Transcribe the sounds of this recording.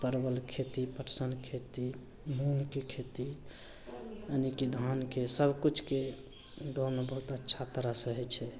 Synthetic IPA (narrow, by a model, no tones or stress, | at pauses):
pəɾbəlkʰet̪ipəʈsənkʰet̪i | munkekʰet̪i | ənikid̪ʱankesəbʱkut͡ʃʰke | d̪ʱonebəɦut̪ətːʃʰat̪əɾasəɦɛt͡ʃʰɛ